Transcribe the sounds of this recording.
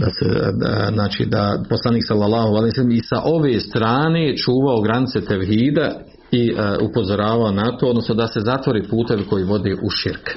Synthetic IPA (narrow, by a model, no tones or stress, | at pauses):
d̪asḛznaːt͡ʃḭd̪apo̞slaniːksalːalːaːhualihijosalːimisaʔo̞ʋeːst̪ɾaːneːt͡ʃuːʋaoɡɾanit̪se̞t̪eʋɦiːd̪a | iupo̞zo̞ɾaːʋaonat̪ood̪no̞snod̪ase̞zat̪ʋo̞ɾeːpuːt̪e̞ʋko̞jiːʋo̞d̪eːʔuʃiɾk